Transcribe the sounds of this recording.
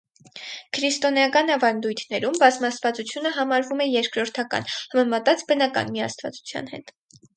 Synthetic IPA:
kʰɾist̪ɔnjɑkɑnɑvɑnd̪ujt̪ʰnɛɾumbɑzmɑsvɑt͡sut͡sʰjunəɦɑmɑɾvumɛjɛɾkɾɔɾt̪ʰɑkɑ̰nhɑmɛmɑt̪ɑt͡sbənɑkɑ̰nmiɑ̰st̪vɑ̰t͡su̥t͡sʰjɑ̰n̪hɛ̰t̪

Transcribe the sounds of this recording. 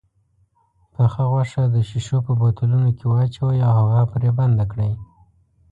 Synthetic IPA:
pəxaɣwaʂad̪əʃiʃopəbot̪alunokewɑt͡ʃawəjawhaɣapɾeband̪akɽəj

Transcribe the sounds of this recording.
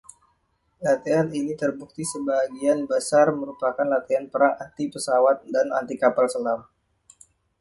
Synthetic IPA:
lat̪eaninit̪ərbuk̚t̪isəbaɦɡianbasarməɾupakanlat̪ianpəɾaŋant̪ipəsawat̪̚dana̰nt̪ikapalsəlar

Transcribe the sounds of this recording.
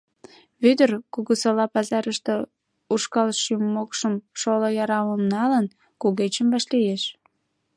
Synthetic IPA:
βyd̪ərkuɣusolɑpɑzɑɾəʃt̪e | uʃkɑlʃymːokʃəmʃolojɑɾɑməmnɑlən | kuɣet͡ɕəmbɑʃlijeʃ

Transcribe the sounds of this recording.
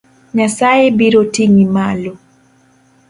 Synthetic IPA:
ɲasaebiɾotiŋimalo

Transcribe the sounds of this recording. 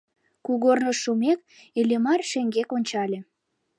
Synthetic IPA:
kuɣornoʃːumek | elʲemɑrʃeŋɡekonʲt͡ɕɑlʲĕ

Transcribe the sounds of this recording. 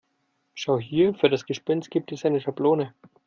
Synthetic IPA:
ʃaʊɦiːɐfyːɐɾasɡ̥əʃpɛnst̚ɡ̥iːp̚tɛsʔaɪnəʃabloːnə

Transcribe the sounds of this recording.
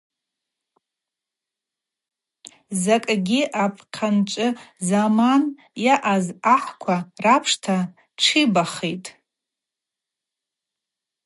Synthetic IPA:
zakʼɡʲɪʔapʰʼqʲʰant͡ʃʷʼɨzaman | jaʔazaħkʷʰarapʰʂtʰa | ʈ͡ʂʰibaχitʼ

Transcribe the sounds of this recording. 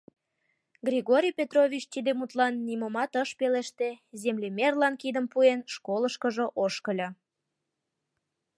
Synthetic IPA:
ɡrʲiɣoɾʲijpʲet̪rovʲit͡ɕt̪id̪emut̪lɑnːimomɑt̪əʃpeleʃt̪ezemlemerlɑnkid̪əmpuenʃkoləʃkəʒəʔoʃkəlʲɤ

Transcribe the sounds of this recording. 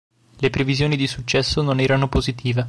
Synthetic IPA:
lepɾevizjoːnid̪isut͡ʃːɛsːononɛːɾanopozit̪ʰiːve

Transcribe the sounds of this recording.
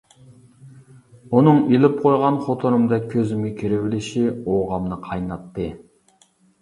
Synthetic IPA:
unɨŋilˠɪp̚qʰojʁɑnχot̪ʰoɾumd̪ɛk̚ʲʰːøzɪmɪkʲʰiɾɪwɪlɪʃioʁɑmnɨqʰɑjnɑt̪ːɨ

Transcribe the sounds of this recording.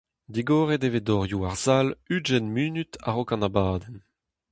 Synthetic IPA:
d̪iɡoːʁedevedɔʁjuaʁz̥alyd͡ʒɛnmyːnyt̪a̰ʁokɑ̃nabaːd̪ɛn

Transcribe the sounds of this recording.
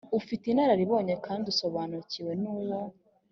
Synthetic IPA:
ufitinhaɾaɾiβo̞ːɲekʰaːnduso̞βanuciwe̞nuːwo

